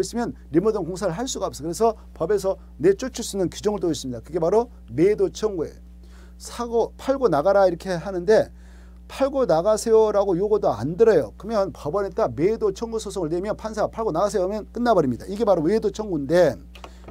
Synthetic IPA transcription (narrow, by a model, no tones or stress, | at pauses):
is͈ɯmjʌn | ɾimodɯŋkoŋsʰaɾɯɭɦaɭs͈uɡaʌp̚s͈ʌkɯɾe̞sʰʌ | pʌbe̞sʰʌ | ne̞t͡ɕ͈ot͡ɕʰus͈unɯnkud͡ʑʌŋɯɭt͈ois͈ɯmɲidakɯɡe̞paɾo | medot͡ɕʰʌŋɡuḛjo | sʰaɡopʰaɭɡonaɡaɾaiɾʌkʰe̞ɦanɯnde̞ | pʰaɭɡonaɡasʰejoɾaɡojoɡodoa̰ndɯɾʌjokɯmjʌnpʌbʌnit͈amedot͡ɕʰʌŋɡusʰosʰoŋɯɭnemjʌnpʰansʰapʰaɭɡonaɡas̬ʰejomjʌnk͈ɯnːabʌɾimɲida̰iɡe̞paɾowedot͡ɕʰʌŋɡunde̞